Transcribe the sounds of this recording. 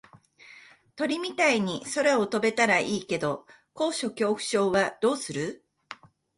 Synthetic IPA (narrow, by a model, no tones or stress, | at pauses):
t̪o̞ɾʲimʲit̪aiɲ̟iso̞ɾao̞t̪o̞be̞t̪aɾaʔiːke̞d̪o̞ | ko̞ːɕo̞kʲo̞ːɸɯ̟̥ɕo̞ːβad̪̥o̞ːsɨɾɯ